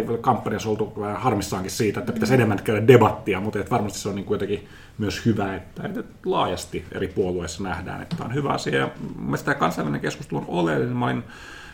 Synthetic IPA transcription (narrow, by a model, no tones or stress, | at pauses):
kɑmpːɑniɑsolt̪uhɑrmisːɑːŋkissiːt̪æet̪ːæpit̪æsenemːænt̪kæyɾædebɑt̪ːiɑmut̪et̪ʋɑrmɑst̪i̥seoniŋkujot̪ɑki | myøshyʋæet̪ːæḛinyt̪lɑ̰ːjɑst̪iḛripuoluesːɑnæhdæ̰ːnḛt̪ːæo̰nhyʋæɑsiɑjɑmsi̥t̪ækɑnsɑiʋælineŋkeskust̪elunolelːinemɑin